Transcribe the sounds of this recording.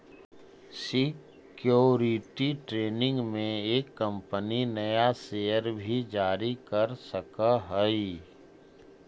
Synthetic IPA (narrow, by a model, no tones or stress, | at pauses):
sɪ | kjoːɾɪʈiʈɾeːnɪ̃ŋɡmẽeːkːə̃mpəninɐjaseːjəɾbʱid͡ʒaːɾikəɾsəkaɦəi